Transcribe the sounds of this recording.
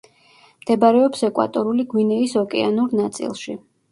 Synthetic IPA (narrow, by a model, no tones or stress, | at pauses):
md̪̥ɛbaɾɛɔpsɛkʼwa̰t̪ʼɔɾuliɡwinɛisɔkʼɛ̰a̰nuɾnat̪sʼḭlˠʃi